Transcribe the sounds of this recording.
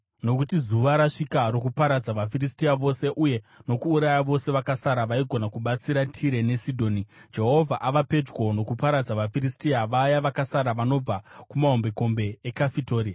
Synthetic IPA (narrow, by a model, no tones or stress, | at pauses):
no̞kutizuʋaɾaʂikaɾo̞kupaɾad͡zaʋafiristiaʋo̞se̞ʔuje̞no̞kuːɾajaʋo̞se̞ʋakasaɾaʋaiɡʱo̞nakuɓat͡siɾatʰiɾe̞ne̞sidʱo̞ːnid͡ʒe̞ɦo̞vʱaʔaʋape̞d͡ʒɡo̞no̞kupaɾad͡zaʋafiristiaʋajaʋakasaɾaʋano̞b͡vakumaɦombe̞ko̞mbe̞ːkafito̞ːɾia